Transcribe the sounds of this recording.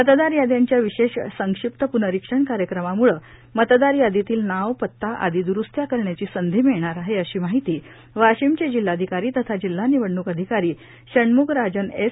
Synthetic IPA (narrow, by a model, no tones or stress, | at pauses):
mət̪d̪aɾjad̪jaɲt͡ɕjaʋiɕeɕsəŋkʂip̚t̪əpunəɾikʂəɳkaɾjəkɾəmamuɭəː | mət̪d̪aɾjad̪et̪iːlnaʋpət̪ːaʔa̰d̪id̪uɾust̪ʰjakəɾɳjat͡ɕiːsənd̪ʱiːmiɭɳ̃aɾaɦeəɕiːmaɦit̪iː | ʋaɕimt͡ɕed͡ʑil̤ːad̪ʱikaɾiːt̪ət̪ʰad͡ʑilːaniʋəɳːukəd̪ʱikaɾiː | ɕəɳmuɡɾad͡ʑənes